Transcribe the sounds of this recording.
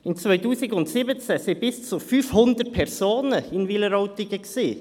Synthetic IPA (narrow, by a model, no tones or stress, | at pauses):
ɪnt͡svœʏtuːsɪɡʊntsibət͡sɛsɪbɪst͡sufyːfhʊndət̚pʰɛʁsoːnəɪnviləɾɔʊtɪɡəksiː